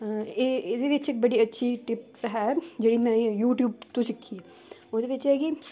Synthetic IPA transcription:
eɪd̪eʋɪt͡ʃeːk̚bɐɽiɐtːʃʰiʈɪp | ɦɛd͡ʒɐɽimɛ̃juːʈjuːb̚t̪õsɪkʰːiɛ | ʊd̪eʋɪt͡ʃɦɛki

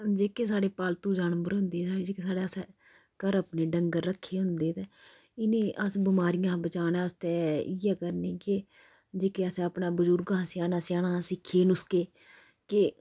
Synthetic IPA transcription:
d͡ʒeːkeːsaːɽeːpaːlt̪ũːd͡ʒaːnmbəɾɦʊ̃nd̪eːsaːeːd͡ʒeːkeːs̬aːɽaːsɛ | kəɾəpneːɖəŋɡəɾːəkʰːeːɦʊ̃nd̪eːt̪eː | ɪnẽːʔəsbɪmaːɾɪjãːbət͡ʃaːnɛ̃ːst̪eːɪɛːkəɾneːkɪ | d͡ʒeːkeːəsɛːəpnãːbəd͡ʒʊɾɡãːsɪjaːnaːsɪjaːnãːsɪkʰːeːnʊskeː | kɪ

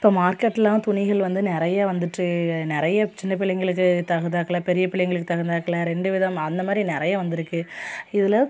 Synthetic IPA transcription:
ɪpːoːmaːɾkɐʈːɛlːãːt̪ʊɳɪɣɐɭʋɐnd̪ɯnɪɾɐjaʋɐnd̪ɯʈːɯnɪɾɐjɐt͡ʃɪnːɐp̬ɪɭːɛŋɡɐɭɯk̬ːɯt̪ɐɣɐðaːkɐɭɐpɛɾɪjɐpɪɭɐjŋɡɐɭɯkːɯt̪ɐɣɐnd̪aːkːɐɭɐɾɛɳɖɯʋɪðɐmɐnd̪ɐmaːd̪ɾinɪɾɐjaʋɐnd̪ɪɾɯkːɯɪðɪlɐ

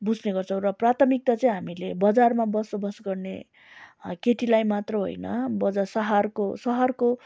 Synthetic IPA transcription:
bud͡zneɡʌrt͡sʰʌ̃w̃rʌprat̪ʰʌmik̚t̪at͡sʌĩɦamilebʌd͡zarmabʌsʌbʌsɡʌrnḛ | keʈilajmat̪rʌɦo̰jnʌ̰bʌd͡zasʌɦarkosʌɦʌrko

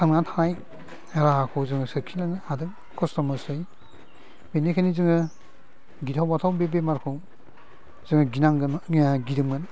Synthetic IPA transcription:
sʰaŋatʰanaj | ɾaakʰɔwzɯŋɯsɯkʰilanadɯŋ | kʰɔstɔmɐsɯj | benekʰanizɯŋɯ | ɡitʰawbatʰawbebemaɾkʰɔw | zɯŋɐɡinaŋɡnɡidɯmɡɯn

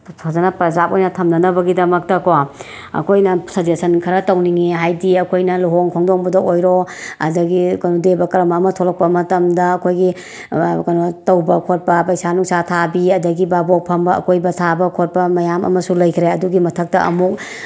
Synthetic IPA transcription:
sʰazɐnɐpɐzapojnɐtʰɐmnɐnɐbɐɡidɐmɐk̚tɐko | ɐ̰kʰojnɐsɐzesɐnkʰɐɾɐtɐwniŋiɦajdiɐkʰojnɐluɦoŋkʰɔŋdoŋbudɐkojɾoɐ̰dɐɡikɐnudebɐkɐɾɐmɐːmɐtʰolɐk̚pɐmɐtɐmdɐɐkʰojɡi | kɐnotɐwbɐkʰot̚pɐpɐjsanuŋsatʰabiɐdɐɡibabok̚pʰɐmbɐɐ̰kʰojbɐtʰabɐkʰot̚pɐmɐjamɐ̰mɐsulɐjkʰɾeɐduɡimɐtʰɐk̚tɐʔɐ̰muk̚

